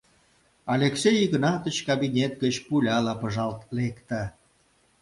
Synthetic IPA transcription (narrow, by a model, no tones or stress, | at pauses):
ɑlʲeksejɣə̆nɑt̪ə̆t͡ɕkɑbinʲet̪̚ɡət͡ɕpulʲɑlɑpəʒɑlt̪lekt̪a